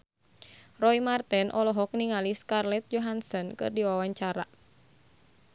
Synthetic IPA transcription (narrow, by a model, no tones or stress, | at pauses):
rɔimart̪ɛnʔɔlɔɦɔk̚niŋaliskarlɛt̪̚d͡ʒɔɦansɔnkɨ̰rdiwawaɲt͡ʃaɾa̰